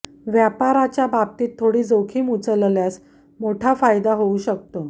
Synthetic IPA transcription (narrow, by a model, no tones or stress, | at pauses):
ʋjapaɾat͡ɕjabab̚t̪iːt̪ʰːoɽiːd͡zokʰiːmut͡səlljas | moʈʰafajd̪aɦouɕək̚t̪o